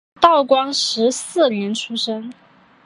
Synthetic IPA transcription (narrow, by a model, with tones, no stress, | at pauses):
t̪ɑ˥˩ʊkwɑ˥ŋʂɻ̩˧˥sɹ̩˥˩ljɛ˧˥nʈ͡ʂʰu˥ʂə˥ŋ